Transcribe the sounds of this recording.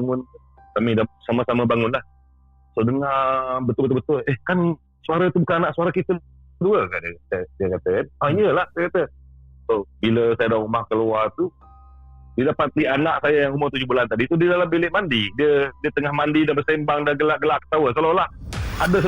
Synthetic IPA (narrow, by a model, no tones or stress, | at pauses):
ŋʊn | kamidasamasamabaŋʊnlah | sodəŋabət̪ʊlbət̪̬olbət̪ʊlehkan | suaɾət̪ubukananaʔsuaɾakit̪ə | əduəkaʔdiəatədiəkat̪əkanaiəlahsajkat̪əsobiləsajadaumahkəluat̪u | didapat̪ianaʔsajajaŋumʊrt̪ud͡ʒʊhbulant̪adit̪udidalambilɪʔmandidiədiət̪əŋahmandidanbəsembaŋdahɡəlaʔɡəlaʔkə̥t̪awəsəlolahada